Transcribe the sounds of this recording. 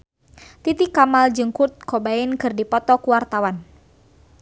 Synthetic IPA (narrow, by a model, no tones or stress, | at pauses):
t̪it̪ikːamald͡ʒɨŋkut̪̚kɔbainkɨrdipɔt̪ɔkuwart̪awan